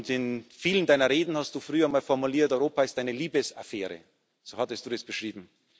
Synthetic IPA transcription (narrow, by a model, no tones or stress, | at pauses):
ntɪnfiːləndaɪnɐʁeːdn̩hast̚d̥uːfʁyːɐmaːlfɔɐmuliːɐtɔʏʁoːpaɪst̚d̥aɪnəliːbəsa̰fɛːʁə̰ | z̥oːhatəstd̥uːdɛsb̥əʃʁ̥iːbm̩